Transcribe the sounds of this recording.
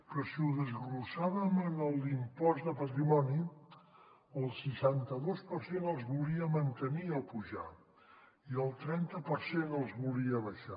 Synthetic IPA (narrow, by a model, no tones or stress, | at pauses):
pɾɔsiuðəzɣɾusaβəmənəlˠimpɔzd̪əpət̪ɾimɔni | əlˠsiʃant̪əðospəɾsenəlˠzβulˠiəmənt̪əniəpuʒa̰ | iəlˠt̪ɾɛnt̪əpəɾsenəlˠzβulˠiəβəʃa